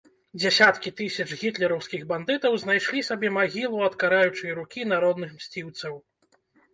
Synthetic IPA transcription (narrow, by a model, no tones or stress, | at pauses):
d͡zʲasʲat̪kʲit̪ɨsʲɐt͡ʂɣʲit̪lʲɛɾɐwskʲiɣband̪ɨt̪ɐwznajʂlʲisabʲɛmaɣʲilˠuɐt̪kaɾajut͡ʂɨjɐɾukʲinaɾɔd̪nɨxmsʲt͡sʲiwt̪sɐw